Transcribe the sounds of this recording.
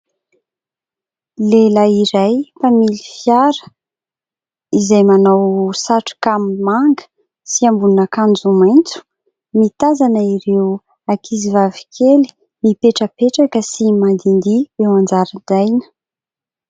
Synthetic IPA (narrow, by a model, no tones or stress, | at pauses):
lelaiɾajpamilifjaɾə̥ | izajmanawsaʈ͡ʂi̥kammaŋɡə̥ | siambununakand͡zumajnt͡su̥ | mit̪azanəiɾew | akʰizivavi̥kʰeli̥ | mipeʈ͡ʂəpeʈ͡ʂakəsimand̪ind̪ib̥ewand͡zaɾəd̪ajnə̥